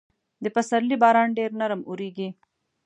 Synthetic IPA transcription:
d̪əpɐsɐɾlibɑːɾɑːɳɖeɾnaɾəmuɾiɡi

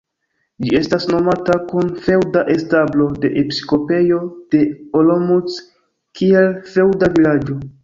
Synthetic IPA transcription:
d͡ʒie̞stasno̞matakunfe̞wdaʔe̞stablo̞de̞ʔepi̥iko̞pe̞jo̞d̥e̞olomut͡s | kʰie̞lfe̞wdavilad͡ʒo̞

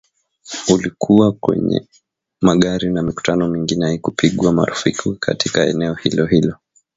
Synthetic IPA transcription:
ulikʰuwakwɛ̰ɲɛ̰ | maɠaɾinamiku̥tʰanɔmiŋɡinɛaikupiɠwama̰ɾufikʰukʰa̰tʰikaɛ̰nɛɔhilɔhilɔ

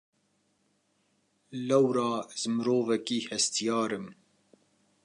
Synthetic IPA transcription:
lɛwɾɑːzɨmɨɾoːvɛkiːhɛst̪ijɑːɾɨm

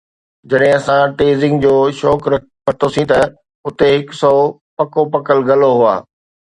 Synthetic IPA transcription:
d͡ʑɐɗɦɪ̃ɐsãʈeːzɪ̃ŋɡd͡ʑoːʃɔːkɾɐ | pɐʈ̪ʰosĩt̪ɐ | ʊt̪eɦɪksɔː | pɐkopɐkəlɡɐloɦua̰ː

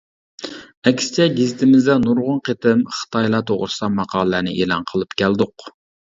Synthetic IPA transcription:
ɛkʲsɪ̥t͡ʃʰɛɡʲizɪt̪ʰɪmɪzd̪ɛnuɾʁʊnqʰet̪ɪmχə̥t̪ʰɑjlˠɑt̪ʰoʁɾsɑmɑqʰɑːlˠlænɪ̰ʔḛlˠɑ̰nqʰəlˠɨpkʲʰæld̪ʊq

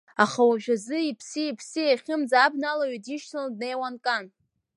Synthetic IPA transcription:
aχawaʒᶣazɨipʰsɨipʰsɨjaχʲɪmzabnalaɥidiʃtʰandne̞jwankʼan

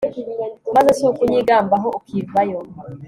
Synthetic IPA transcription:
mazeseukuɲiɡaːmbaɦoukiːvajo

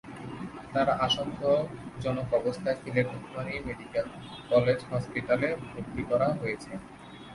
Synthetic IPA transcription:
t̪aɾʔaʃoŋkʰod͡ʑɔnokɔbost̪ʰaekileɾd̪ukʰmanimeɖikel | kɔled͡ʑɦɔspiʈalebʱɾud̪ːikɔɾaɦojet͡ɕʰe

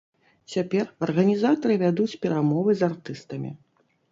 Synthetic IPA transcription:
t͡sʲapʲɛrɐrɣɐnʲizat̪ɐɾɨvʲad̪ut͡sʲpʲɛɾamɔvɨzart̪ɨst̪ɐmʲḭ

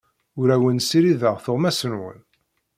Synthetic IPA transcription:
ʊɾæwənsiɾiðəʁθoʁmæsənwə̰n

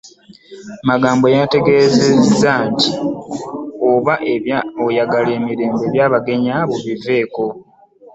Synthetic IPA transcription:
maɡaːmbo̞jate̞ɡe̞ːze̞zanti | oβaʔe̞βjaojaɡale̞ːmiɾe̞ːmbe̞ːβjaːβaɡe̞ɲaβoβive̞ːko̞

